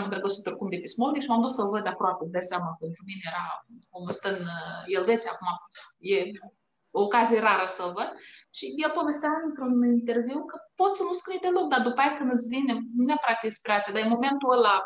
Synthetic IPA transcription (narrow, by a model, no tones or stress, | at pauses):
mɨnd̪ɾəɡəsut̪ɾukumd̪epismonikʃimamd̪ut̪səvəd̪apɾoapesd̪ajseamape̞nt̪ɾuminejeɾaomost̪ənjelve̞t̪sʲa̰kumaje | oːkazije̞ɾaɾəsəovəd̪ʃijelpo̞ve̞st̪eaɨnt̪ɾunint̪e̞rviwkəpo̞t̪sənuskɾijd̪elok̚d̪ad̪upajakɨnd̪ɨt̪sʲvinenunapɾak̚t̪ikspɾeat̪sʲad̪ajemo̞me̞nt̪uəla